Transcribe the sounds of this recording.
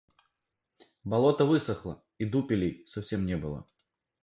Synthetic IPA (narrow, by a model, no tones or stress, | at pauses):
balˠɔt̪ɐvɨsɐxlˠɐ̰ | id̪upʲilʲijsawsʲɛmnʲɛbɨlˠɐ̰